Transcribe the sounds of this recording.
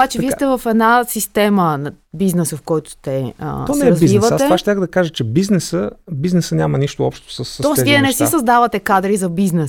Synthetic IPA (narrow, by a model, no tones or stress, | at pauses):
obat͡ʃɛviɛt̪ɛvɐfɛd̪nasist̪ɛməbiznɛsəfkɔjt̪ʊ̥t̪ɛ̰t̪ɔsnɛɛɾɐzivivətaɛaʃt̪ʲaxd̪ɐkaʒət͡ʃɛbiznɛsəbiznɛsənʲamɐniʃt̪oɔpʃt̪o̥səsːɔsviɛnɛsisɐzd̪avət̪ɛkad̪ɾizɐbiznɛs